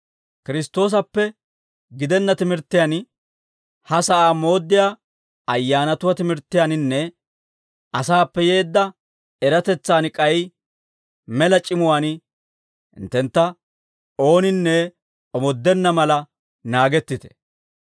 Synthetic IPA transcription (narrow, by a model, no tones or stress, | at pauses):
kɪɾɪst̪o̞ːs̬ɐpːɛ | ɡɪd̪ɛnːɐt̪ɪmɪɾt̪ːɪjɐn | hɐsɐʔaːmo̞ːd̪ːɪjaː | ɐjːaːnɐt̪ʊwɐt̪ɪmɪɾt̪ːɪjɐnɪnːɛ | ɐsaːpːɛje̞ːd̪ːɐ | ɛɾɐt̪ɛt͡sːaːnɪkʼɐj | mɛlɐt͡ʃʼɪmʊwaːn | ɪ̰nt̪ːɛnt̪ːɐ | o̞ːnɪnːɛ | ɔmɔd̪ːɛnːɐmɐlɐ | naːɡɛt̪ːɪt̪ɛ̥